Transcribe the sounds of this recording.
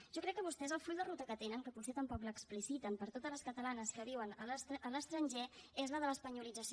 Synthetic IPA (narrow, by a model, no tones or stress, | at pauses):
ʒɔkɾɛkːəβust̪ɛzəlˠfuʎd̪ərut̪əkət̪enəŋkəpusɛt̪əmpɔkləksplisit̪əmpəɾt̪ot̪əzləskət̪əlanəskəβiwənəlsələst̪ɾənʲʒɛezləðələspəɲulid͡zəs